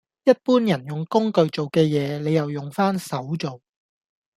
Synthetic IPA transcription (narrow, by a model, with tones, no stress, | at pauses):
jɐ˥t̚puː˥njɐ˨˩njʊ˨ŋkʊ˥ŋkɵ˨ɥt͡so˨wkɛː˧jɛː˨˧le˨˧jɐ˨wjʊ˨ŋfaː˥nsɐ˨˥wt͡so˨w